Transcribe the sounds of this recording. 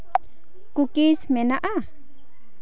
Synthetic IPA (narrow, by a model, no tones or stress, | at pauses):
kukismenaʔa